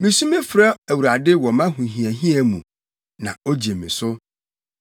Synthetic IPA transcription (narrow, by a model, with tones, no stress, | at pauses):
mĩ˨sũ˦mĩ˦fɾa˦æ˨wu˨ɾa˨dɪ˦wɔ˨mã˦ɦũ˨ɦĩ˨æ˨ɦĩ˦æ˦mũ˨ | nã̰˨o˦d͡ʑi˨e˨mĩ˨sʊ˦